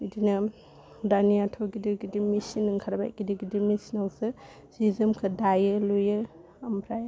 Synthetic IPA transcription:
idinɐ | danijatʰɔɡidɯɡidimisinɯŋkʰaɾaba̰jɡidiɡidimisinawsɯ | z̥izɯmkʰɯdajɯlujɯ | ampʰɾaj

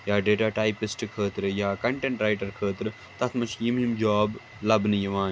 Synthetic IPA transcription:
jaːɖeːʈaːʈaːjpisʈkʰəːt̪ɾɨjaːkɐɳʈeɳʈɾaːjʈɐɾkʰəːt̪ɾɨ | t̪ɐt̪ʰmɐt͡ʃʰjimimd͡ʒaːb | lɐbnɨjɐʋaː

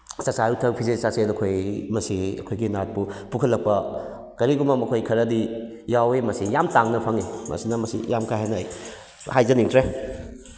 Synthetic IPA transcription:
sasajutʰɐk̚pʰizesaselɐkʰojmɐsiɐ̰kʰojɡinat̚pupukʰɐlːɐk̚pɐ | kɐɾiɡumɐmɐkʰojkʰɐɾɐdi | jawemɐsijamtaŋnɐpʰaŋimɐ̰sinɐmɐsḭjamkʰajɦajnɐj | hajzɐniŋtʰɾe

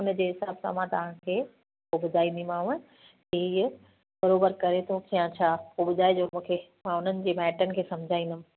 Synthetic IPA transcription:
ʊnəd͡ʑeːɦɪsaːbsã̰mãt̪ɐʋ̤ãkʰeː | pobʊd̪ʱaːĩnd̪imãːʊ̃ | i | bɐɾoːbəɾkɐɾet̪ʰokijãt͡ɕʰaːpobʊd̪ʱaːed͡ʑoːmũːkʰemãʊn̤ənɪ̆d͡ʑeːmɛːʈənɪ̆kʰeːsɐ̃md͡ʑʱaːĩnd̪əm̃

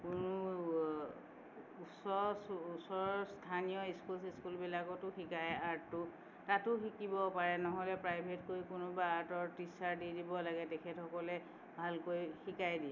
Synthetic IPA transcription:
kʊnʊ | usɔsːsɔɹɔstʰanijɔiskulsiskulbilakɔtʊxikajaɹttʊ | tatʊxikibɔpaɹɛnɔɦɔlɛpɹajbʱetkojkʊnʊbaːɹtɔɹtisaɹdidibɔlaɡɛtɛkʰɛtxɔkɔlɛ | bʱalkojxikajdiɛ

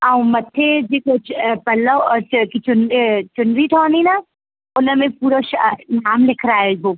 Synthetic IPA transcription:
aũmɐt̪ʰːed͡ʒekot͡ʃʰpɐləkit͡ʃʊnt͡ʃʊnɖɾiʈʰɔːnina | ʊnəmẽpuːɾoʃnaːmlɪkʰɾaːeɡʱoː

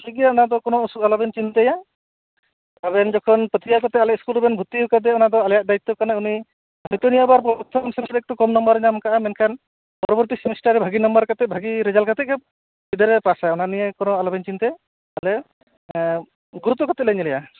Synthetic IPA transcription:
kiɡɛjaɔnad̪ɔkɔnɔusukalɔbɛnt͡ʃint̪ɛja | abɛnd͡ʒɔkʰɔnpət̪ʰijakɔt̪ɛalɛʔ̚skulɔbɛnbʱut̪ːiukad̪ɛɔnad̪ɔalɛjaʔ̚d̪ajit̪ːɔkanauni | aɦit̪ɔnijabaɾpɔt̪ʰɔmsɛmsd̪ɛk̚t̪ɔkɔmnɔmbəɾɲamkaʔamɛnkʰan | pɔɾɔbɔɾt̪isimɛsʈaɾɛbʱaɡinɔmbəɾkat̪ɛbʱaɡiɾɛd͡ʒalkat̪ɛɛ | bid̪ɔɾɛpasaɔnanijɛkɔnɔalɔbɛnt͡ʃint̪ɛ | alɛ | ɡuɾut̪ːɔkɔt̪ɛʔ̚lɛɲɛlɛja

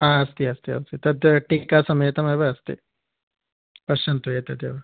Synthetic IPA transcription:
aːɐst̪iɐst̪iɐ̰st̪it̪ɐd̪jɐʈːikːaːsɐmeːt̪ɐmeːʋɐɐst̪ḭ | pɐʃɐnt̪ueːt̪ɐd̪jɐ̰ʋɐ

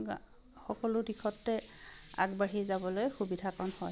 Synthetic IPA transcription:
xɔkɔlʊdikʰɔtːɛa̰ɡbaɹizabɔlojxubidʱakɔnhɔj

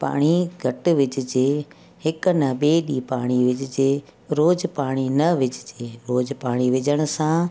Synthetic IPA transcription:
pa̰ːɽ̃iɡʱɐʈʊ̆ʋɪd͡ʑɪ̆d͡ʑeː | hɪkʊ̆nɐɓeːɗiːpaːɽ̃iʋɪd͡ʑɪd͡ʑeː | ɾoːd͡ʑpaːɽ̃inɐʋɪd͡ʑʱɪd͡ʑeːɾoːd͡ʑpaːɽ̃iʋɪd͡ʑəɽ̃ʊ̆sã

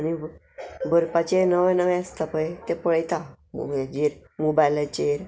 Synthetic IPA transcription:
añi | bʱəɾpat͡ɕenəʋẽnəʋẽəst̪ʰapəjt̪epəɭt̪a | d͡ʑeɾmobajlət͡ɕeɾ

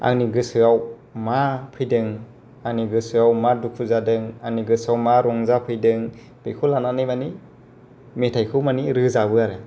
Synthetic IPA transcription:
a̰ŋniɡɯsɯaw | mapʰɯjdɯŋ | aŋniɡɯsɯawmadukʰuzadɯŋaŋniɡɯsawmaɾɔŋzapʰɯjdɯŋ | b̥ekʰulananɯjmani | metʰajkʰɯwmaniɾɯzabɯaɾɯ

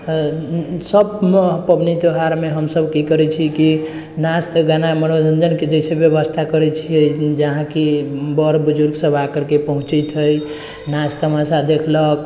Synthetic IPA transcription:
səbpəbnid̪oɦaɾmeɦəmsəbkikəɾɛt͡ʃʰiki | nast̪ɡanaməɽod͡ʒʱənd͡ʒənked͡ʒəsebjəbəst̪ʰakəɾɛt͡ʃʰiəd͡ʒəɦãkibəɾbud͡ʒuɾɡsəbʱakəɾkepəɦũt͡ʃit̪ɦəj | nast̪əmasad̪ekʰlək̚

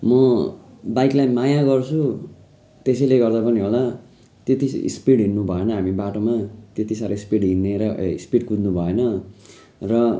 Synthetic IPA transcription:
mʌ | bajklajmajaɡʌrt͡sʰu | t̪esʌjleɡʌrd̪apʌniɦola | t̪jet̪iḭspiɽɦinːubʱʌenʌɦamibaʈomat̪et̪isaɾʌispiɽɦinːeɾʌḭspiɽkud̪nubʱʌenʌ | rʌ

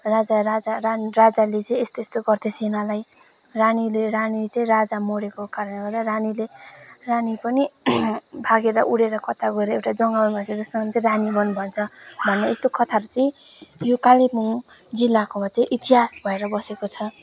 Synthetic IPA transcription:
rad͡zaɾad͡zararad͡zalet͡sʌĩest̪oest̪oɡʌrt̪ʰesenalaj | ranileɾanit͡sʌĩrad͡zamoɽekokaɾʌnɡʌrd̪aɾanileranipʌni | bʱaɡeɾʌʔuɽeɾʌkʌt̪ʰaɡʌeɾʌewʈad͡zʌŋɡawʌnbʱʌt͡sʰʌd͡zʌssʌŋʌnt͡sʌĩɾanibʌnbʱʌnt͡sʰʌbʱʌnːʌest̪okʰʌt̪ʰaɾt͡sʌĩjokalepuŋd͡zilːakomat͡sʌj̃ʔit̪iɦasbʱʌeɾʌbʌsekot͡sʰʌ

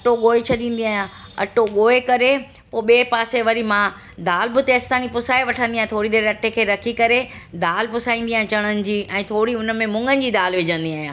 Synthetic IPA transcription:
ɐʈoɠoːet͡ɕʰɐɗĩːn̆d̪iaːɦjãɐ̰ʈoɠoːekɐɾe | poːɓeːpaːseʋɐɾimã | d̪aːlbɪt̪eɐst̪aːnipʊsaːeʋɐʈʰə̃nd̪iaːɦẽt̪ʰoːɽid̪eːɾɐʈekʰeːɾɐkʰikɐɾed̪aːlpʊsaːĩnd̪iaːɦẽt͡ɕɐɽ̃ənɪ̆d͡ʑiːʔɛ̃ːt̪ʰoːɽiʊnə̆mẽmʊ̃ŋɡənɪ̆d͡ʑiːd̪aːlʋɪd͡ʑə̃nd̪iaːɦijãː

